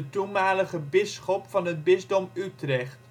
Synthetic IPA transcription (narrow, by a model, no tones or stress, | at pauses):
ətunmaːləχəbɪsχɔpfɑnɦəd̚bɪzdɔmytrɛχt